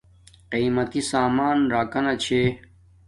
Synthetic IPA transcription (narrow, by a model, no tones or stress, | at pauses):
qiːmɐt̪isaːmaːnɾaːkɐnɐt͡ɕʰeː